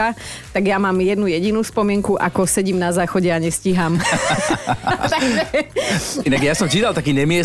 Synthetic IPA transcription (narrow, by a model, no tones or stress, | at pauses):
a | t̪aɡjamaːmjɛd̪nujɛɟinuːspɔmɪɛŋkuʔa̰kɔsɛɟiːmnazaːxɔɟɛaɲɛsciɦaːm | t̪aɡʒɛ | inaɡjasɔmt͡ʃit̪alt̪akiːɲɛmɪɛ